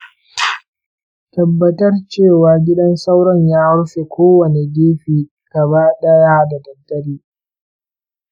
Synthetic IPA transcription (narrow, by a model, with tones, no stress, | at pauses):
tɐ˨bːɐ˨tɐ˦rt͡ʃeː˦˨waː˨ɡʲɪ˦ɗɐ˦nsa˦wɽɔ˦ɲjaː˦ɽʊ˦ɸe˨kʷʰoː˦wɐ˨ne˨deː˦ɸiː˨ | ɡ̥ɐ˨βaː˦ɗɐ˦jaː˦da˨dɐ˨dːɐ˦ɾiː˦